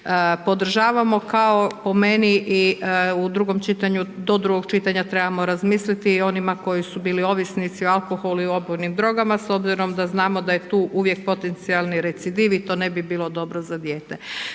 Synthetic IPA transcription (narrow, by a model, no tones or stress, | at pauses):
po̞d̪r̩ʒaːʋamo̞kao̞po̞me̞niʔiud̪ɾuɡo̞mt͡ʃit̪aɲud̪o̞d̪ɾuɡoɡ̚t͡ʃit̪aɲat̪ɾe̞bamo̞ɾazmiːslit̪iːo̞nimako̞jisubiːlio̞ʋisnit̪sioalkoxoluiuo̞bojnimd̪ɾo̞ɡamaso̞bziɾo̞md̪aznaːmo̞d̪aje̞t̪uːʔuʋjek̚po̞t̪ent̪sialˠniɾet̪sid̪iːʋit̪o̞ːnebibiːlo̞d̪o̞bɾozad̪jeːt̪e